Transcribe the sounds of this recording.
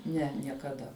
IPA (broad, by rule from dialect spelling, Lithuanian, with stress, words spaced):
ˈnʲɛ nʲiɛkɐˈdɐ